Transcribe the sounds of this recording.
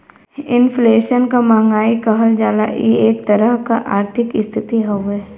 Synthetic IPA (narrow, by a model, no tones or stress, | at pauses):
ɪnfleːʃənkamãːŋɡaːikɐɦəld͡ʒaːlaʔjḭeːk̚t̪ɐɾəɦkaʔaːɾt̪ʰɪkɪst̪ʰɪt̪iɦoe